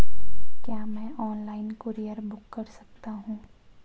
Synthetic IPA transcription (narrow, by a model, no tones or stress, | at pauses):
kjaːmɛ̃ːʔɔːnlaːɪnkəɾijəɾbʊkːɐɾsɐ̥k̚t̪aɦũː